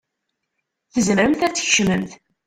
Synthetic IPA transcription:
θəzməɾəmθæt͡sːçʃməmθ

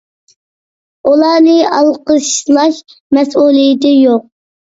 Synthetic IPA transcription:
ulˠɑːnɨɑlˠqəʃslˠɑʃmɛsulˠijɪt̪ɪjoq̚

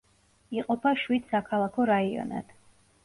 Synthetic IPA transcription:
iqʼɔpʰaʃwid̪̥sakʰalˠakʰɔɾaiɔ̰na̰d̪̥

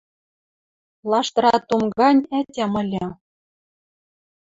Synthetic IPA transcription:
lˠɑʃt̪ɤ̆ɾɑt̪umɡɑnʲætʲæmɤ̆lʲɘ̆

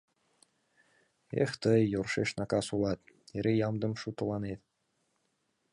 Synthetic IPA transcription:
ḛxt̪əjːorʃeʃnɑkɑsulɑt̪eɾejɑmd̪ə̆mʃut̪ə̆lɑnet̪̚

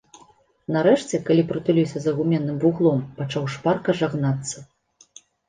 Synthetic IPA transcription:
nɐɾɛʂt͡sʲɛkalʲipɾɨt̪ulʲiwsʲɐzɐɣumʲɛnːɨmvuɣlˠɔmpat͡ʂawʂparkɐʐaɣnat̪sːɐ

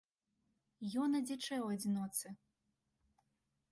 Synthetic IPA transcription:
jɔnɐd͡zʲit͡ʂɛwɐd͡zʲinɔt̪sɨ

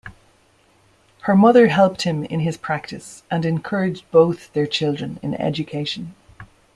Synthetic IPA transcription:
hə˞mʌðə˞ɦɛlˠp̚t̚hɪ̃mɪ̰̃nɪz̥pʰɹ̥ak̚tɪsʔə̃nɪ̃nkʰɜɹɪd͡ʒb̥oʊθðə˞t͡ʃʰɪlˠdɹə̃nɪ̰̃nɛ̰d͡ʒɨkʰeɪʃə̃n

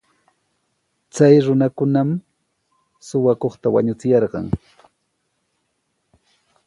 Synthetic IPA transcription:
t͡sajɾʊnakʊnam | sʊwakoχt̪awaɲʊt͡sɪjɑɾɢɑ̰ŋ

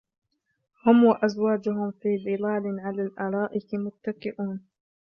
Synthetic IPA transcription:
hʊmwaʔazwaːd͡ʒʊɦʊmfiːbɨlaːlɪʕalaːlʔaːɾˤɑːʔɪkmʊt̪ːakɪʔuːn

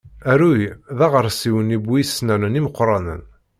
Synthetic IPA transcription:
æɾujðɑʁəɾˤsiwənibisnænəniməqːɾˤɑnə̰n

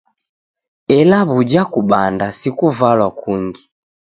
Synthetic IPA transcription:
ɛlaβud͡ʒakuɓandasikuvalwakuŋɡi

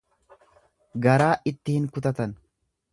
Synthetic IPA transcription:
ɡɐɾaːʔɪt̪ːɪhɪŋkʊt̪ɐt̪ɐn

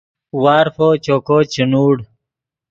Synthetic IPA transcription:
waːɾfot͡ɕokot͡ɕinuːɽ

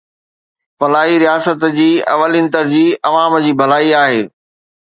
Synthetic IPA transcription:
fɐlaːɦiɾijaːsət̪d͡ʑiːɐ̰ʋəliːnt̪əɾd͡ʑiːɐʋaːmd͡ʑiːbʱɐlaːiaːɦeː

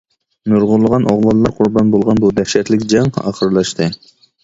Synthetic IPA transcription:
nuɾʁʊlˠːəʁɑnʔɑʁlˠɑlːˠɑɾqʰʊɾbɑnbolˠʁɑnbud̪ɛfʃɛt̪lɪkʲd͡ʒɛŋɑχəɾlˠɑʃt̪ʰɨ

